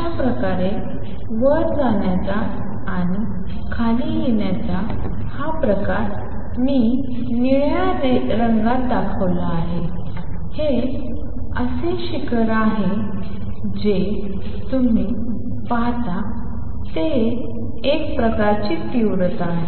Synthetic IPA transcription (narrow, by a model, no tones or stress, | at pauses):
apɾəkaɾe | ʋəɾd͡zaɳjat͡saː | ñi | kʰanijeɳjat͡sa | hapɾəkaɾ | miː | niɭjaneɾəŋɡad̪akʰəʋlaːɦe | he | əseɕikəɾaɦe | d͡ʑe | t̪um̤iː | paɦt̪a | t̪eː | k̚pɾəkaɾt͡ɕiːt̪iʋɾət̪aɦe